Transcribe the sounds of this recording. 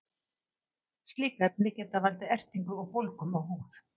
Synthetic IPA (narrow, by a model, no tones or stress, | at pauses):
st̪liːkaɛpnɪcɛːt̪avalt̪ɪɛr̥t̪iŋkʏɔɣfowlkʏmawɦuːθ